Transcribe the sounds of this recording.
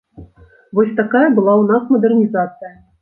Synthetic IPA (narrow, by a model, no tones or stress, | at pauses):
vɔsʲt̪akajɐbɨlˠawnasmɐd̪ɛrnʲizat̪sɨjɐ